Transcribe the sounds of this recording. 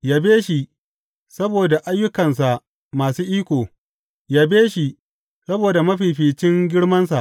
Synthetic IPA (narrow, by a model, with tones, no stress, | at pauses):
jaː˦beː˦ʃi˨ | sɐ˦boː˨da˨ʔa˦jːʊ˦kɐ˨ns̬a˨ʔ | maː˨suː˦ʔiː˦kʷoː˨ | jaː˦beː˦ʃi˨ | sɐ˦boː˨da˨mɐ˦ɸiː˨ɸiː˨t͡ʃɪ˦ŋɡʲɪ˦ɽmɐ˦nsa˨ʔ